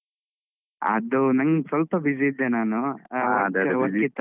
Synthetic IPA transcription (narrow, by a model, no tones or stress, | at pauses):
ɐ̰d̪unɐŋɡsɐlpɐbid͡ʒiːd̪ːenaːnud̪ʋɐit̪ː